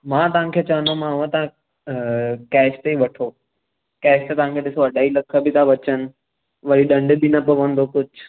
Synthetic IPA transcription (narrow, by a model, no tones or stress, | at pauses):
mãːt̪ɐʋ̤ãkʰeːt͡ɕɐʋənd̪omããt̪ɐã | kɛːʃt̪eiʋɐʈʰo | kɛːʃt̪et̪ɐʋ̤ãkʰeːɗɪsoɐɖaːilɐkʰə̆bɪt̪ʰãʋɐt͡ɕənɪ̆ | ʋɐɾiɗɐ̃ɳɖbinɐpɐʋɐ̃nd̪okʊd͡ʑʱ